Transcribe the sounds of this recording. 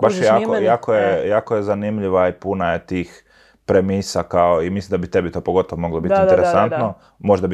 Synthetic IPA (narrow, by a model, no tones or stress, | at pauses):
baʃjaakojaːkojejaːkojezanimʎiʋaipunajet̪iːx | pɾemisakaoimislimd̪abit̪e̞bit̪o̞ːpoɡo̞t̪oʋomo̞ɡlobit̪innt̪eɾesant̪no | moʒd̪ab